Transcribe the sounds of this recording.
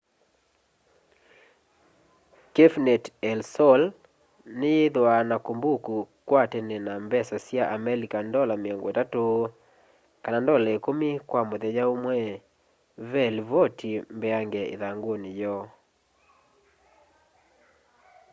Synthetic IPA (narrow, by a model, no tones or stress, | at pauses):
kefnɛtɛlsɔl | nɪeðwanakombokukwatɛnɛnambɛsɔsjaʔamɛlikandɔlameɔŋɡotato | kanandɔlaekomikwamoðɛd͡ʒaomwɛ | vɛlvotʰimbɛaŋɡɛḛðaŋɡonijɔ